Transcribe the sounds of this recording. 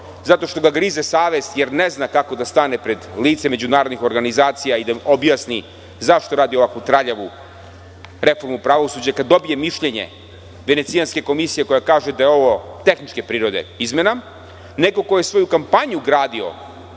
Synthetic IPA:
zat̪o̞ʃt̪o̞ɡaɡɾiːzesaːʋe̞st̪je̞ɾneznakako̞d̪ast̪ane̞pɾe̞d̪liːt̪seme̞d͡ʑunaːɾo̞d̪nixo̞ɾɡanizaːt̪sijaid̪aobjasni | zaʃt̪o̞ɾaːd̪io̞ʋakut̪ɾaʎeʋu | ɾe̞fo̞ɾmupɾaʋo̞sud͡ʑakad̪ːo̞bije̞miʃʎe̞ɲe̞̰ | ʋe̞net̪sijanske̞ko̞misije̞ko̞jakaːʒed̪ajeo̞ʋo̞t̪e̞xnit͡ʃke̞pɾiːɾo̞d̪ḛizmena | neko̞ko̞jesʋo̞jukampaɲuɡɾaːd̪io̞̰

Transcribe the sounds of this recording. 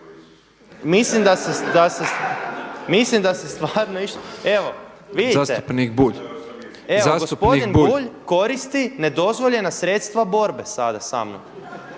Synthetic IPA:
mislimd̪ased̪ase | mislimd̪asest̪ʋaːɾnoiʃt̪oe̞ʋo̞ | ʋid̪iast̪eupnikbuʎ | eaɡospod̪inbuʎko̞ɾist̪ine̞d̪o̞zʋo̞ʎe̞nasɾet̪st̪ʋabo̞ɾbe̞sad̪asa̰ːmno̰m

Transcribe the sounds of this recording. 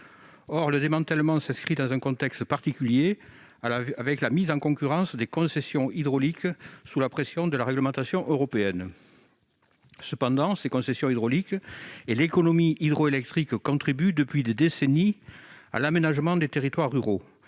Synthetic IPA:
ɔʁləd̪emɑ̃t̪ɛlmɑ̃sɛ̃skχid̪ɑ̃zɛ̃kɔ̃t̪ɛkst̪paʁt̪ikʲylje | aavɛklamizɑ̃ŋkɔ̃kyʁɑ̃sd̪ekɔ̃sɛsjɔ̃id̪ʁɔliksulapχesjɔ̃d̪əlaʁɛɡləmɑ̃t̪asjɔ̃ʔøʁɔpeɛn | səpɑ̃d̪ɑ̃sekɔ̃sɛsjɔ̃id̪ʁɔlikelekɔnɔmiid̪ʁɔelɛk̚t̪χikkɔ̃t̪χibyd̪əpɥid̪ed̪esenia̰lamenaʒəmɑ̃d̪et̪eʁit̪waʁːyʁo

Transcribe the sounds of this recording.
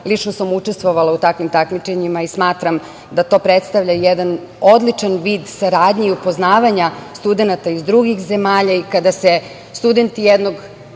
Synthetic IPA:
lit͡ʃnosamut͡ʃest̪ʋo̞ʋalaut̪akʋimt̪akmit͡ʃe̞ɲimaismaːt̪ɾam | d̪at̪o̞ːpɾet̪st̪aʋvʎajed̪an | o̞d̪lit͡ʃanʋiːd̪saɾaːd̪ɲeiupo̞znaːʋaɲast̪ud̪e̞nat̪aizd̪ɾuɡixze̞maːʎaikad̪ase | st̪ud̪e̞nt̪ijed̪no̞ɡ

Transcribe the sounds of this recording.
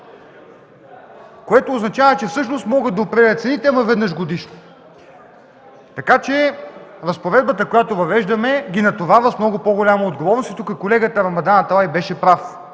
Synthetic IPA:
koɛt̪oːznɐt͡ʃavət͡ʃɛfsɤʃnost̪mɔɡəd̪ɐopɾɛd̪ɛlʲət̪sɛnit̪ɛmɐvɛd̪nɤʃɡod̪iʃno | t̪ɐkat͡ʃɛɾɐspovɛd̪̚bət̪əkojat̪ovɐvɛʒd̪ɐmɛɡʲinɐt̪ovavəsmnɔɡʊpoɡolʲamoːd̪ɡovɔɾnost̪it̪ukəkolɛɡət̪əɾɐmɐd̪anɐt̪ajbɛʃɛpɾaf

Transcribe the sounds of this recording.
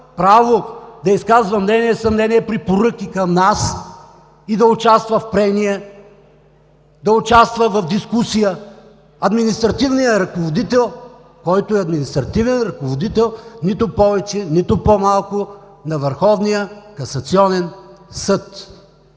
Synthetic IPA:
pɾavod̪ɐiskazvɐmnɛniɛsɐmnɛnʲiɛpɾipoɾɤkʲikɐmnas | id̪ɐʊt͡ʃast̪vɐfpɾɛniɛ | d̪ɐʊt͡ʃast̪vɐvɐvd̪iskusijə | ɐd̪minist̪ɾɐt̪ivnijəɾɐkovod̪it̪ɛlˠ | kɔjt̪oɛɐd̪minist̪ɾɐt̪ivɛnɾɐkovod̪it̪ɛlˠnit̪ʊpɔvɛt͡ʃɛnit̪ʊpomalˠkʊ | nɐvəɾxɔvnijəkɐsɐt̪siɔnɛnsɤt̪

